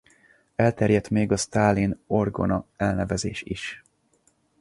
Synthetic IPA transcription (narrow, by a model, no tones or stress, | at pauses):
ɛlt̪ɛrjɛt̪meːɡɒst̪aːlino̞rɡo̞̰nɒɛlnɛvɛzeːʃiʃ